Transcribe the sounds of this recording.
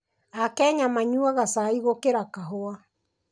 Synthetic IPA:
akɛːɲamaɲuaɣasaiɣokeɾakaɦoa

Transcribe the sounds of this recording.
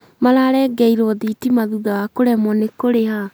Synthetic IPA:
malaɾɛɡɛiɾɔðitimaðuðawakoɾɛmɔnekoɾeha

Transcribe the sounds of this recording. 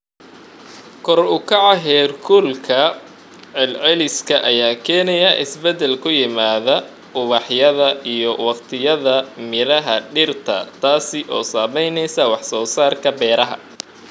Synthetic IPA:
kʰɔrʊkʰɑʕɑɦɛːrkʰʊlkʰɐ | ʕɛlʕɛlɪskʰɐʔɐjaːkʰɛːnɛjɐʔɪ̰sbɛd̪ɛlkʰʊjɪmaːðɐ | ʊβɑħjɐðɐʔijɔwɑqt̪ʰɪjɐðɐmɪɾɐɦɐɖɪrt̪ʰɐ̰t̪ʰaːsɪʔɔːsaːmɛjnɛjsɐwɑħsɔːsaːrkʰɐbɛːɾɐɦɐ̰

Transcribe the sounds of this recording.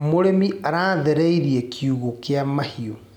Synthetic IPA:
moɾemiaɾaːðɛɾɛiɾiɛkʰiuɣokeamahio

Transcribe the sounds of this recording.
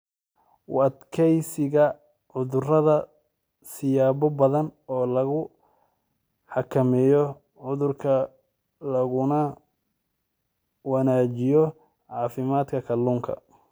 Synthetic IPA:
wɐd̪kʰɛjsɪɣɐ | ʕʊðʊrɐðɐ | sɪjaːβɔbɐðɐnɔːlɐɣʊ | ħɑkʰɐmɛjɔ | ʕʊðʊrkʰɐ | lɐɣʊnɐ | wɐnaːt͡ʃɪjɔ | ʕɑːfɪmaːd̪kʰɐkʰɐlːuːŋkʰɐ̰

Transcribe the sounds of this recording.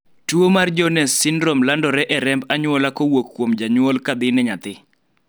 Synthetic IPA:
tuomard͡ʒɔnɛsːɪnɾomlandɔɾɛʔɛɾɛmbaɲʊwɔlakowokːwomd͡ʒaɲwɔlkad̪ɪnɛɲat̪ɪ

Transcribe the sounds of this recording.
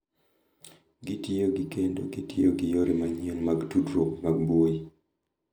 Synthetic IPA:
ɡitioɡɪkendoɡitʰioɡɪjoɾʔimaɲenmaɡtudɾomaɡ̚boi

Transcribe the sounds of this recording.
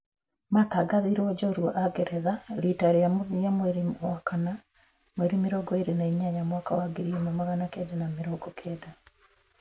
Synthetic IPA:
mataɡaðiɾoɟoɾwo̰ʔaɡeɾeðalitaɾijamuðijamweɾimwakana | mweɾimiɾoɡoiɾenaiɲaɲamwakawaɡiɾiemumaɣanakedenamiɾoɡokʰeːda

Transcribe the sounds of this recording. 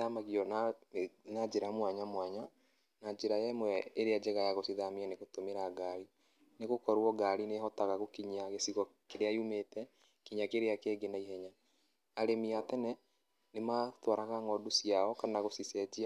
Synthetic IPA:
amaɣiɔna | nad͡ʒeɾamwaɲamwaɲa | nad͡ʒeɾajɛmwɛeɾead͡ʒɛɣajaɣosiðameɛneɣotomeɾaɡaɾi | neɣokɔɾwɔɡaɾineɦɔtaɣaɣokiɲaɣesiɣɔkeɾeaiumetɛ | kiɲakeɾeakeːɡenaiɦɛɲa | aɾemiatɛnɛ | nematwaɾaɣaŋɔdosiaɔkanaɣosisɛd͡ʒia

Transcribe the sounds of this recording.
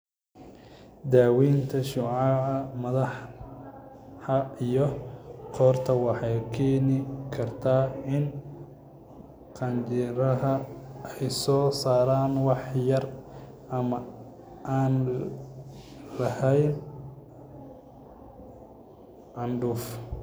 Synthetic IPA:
d̪aːwiːnt̪ʰɐʃʊʕɑɐmɐðɑħ | ɐijɔqʰɔːrt̪ʰɐwɑħɑjkʰeːnɪkʰɐrt̪ʰaːɪn | qʰɑnt͡ʃɪɾɐɦɐɛjsɔːsaːɾaːnwɑħjɐr | ɐmɐ | ʔaːn | lɐhɛjn | ʕɑnɖʊːf

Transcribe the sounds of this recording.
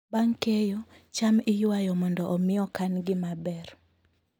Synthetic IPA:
baŋkejo | t͡ʃamɪjʊwajɔmɔndɔʔːmɪɔkanɡɪmabɛr

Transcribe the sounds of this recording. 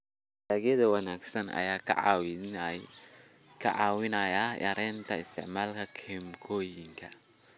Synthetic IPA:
daːɣjɐðɐwɑnaːɡsɐnɐ̰jaːkʰɐ̰ʕɑw | kʰɐʕɑːwɪnɐjajɐ̰ɾɛːnt̪ʰɐɪst̪ʰɛʕmaːlkʰɐkʰɛmkʰɔːjɪŋkʰɐ̰

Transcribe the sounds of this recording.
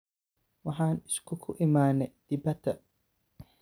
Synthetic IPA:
wɑħaːnɪskʰʊkʰʊʔɪmaːnɛd̪̥ɪbɐt̪ʰːɐ

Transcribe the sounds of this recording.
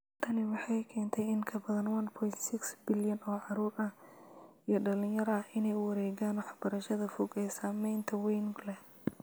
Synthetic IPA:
t̪ʰɐnɪwɑħɑjkʰɛːnt̪ʰɛjɪŋkʰɐbɐðɐnwɐnpʰɔjnt̪sɪksbɪljɐnɔːʕɑɾuːrɐ | ijɞɖɐlɪ̃njɐɾɐɐɪnɛjwɐɾɛːɣaːnwɑħbɐɾɐʃɐðɐfɔɡɛːsaːmɛjnt̪ʰɐwɛjnʊɡlɛ

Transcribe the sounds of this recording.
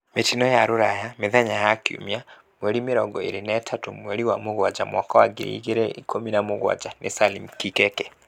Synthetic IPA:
metinɔjaɾoɾajameðɛɲajakjṵmia | mwɛɾimeɾɔɡɔḛɾenɛtʰatomwɛɾiwamoɣwad͡ʒamwakawaɡḛɾḭɣeɾɛikʰominamoɣwa̰d͡ʒanʔḛsalimkikɛkɛ

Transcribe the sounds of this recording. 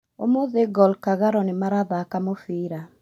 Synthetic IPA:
o̰moðeɡɔlkaɣaɾɔnemaɾaðakamofiɾa

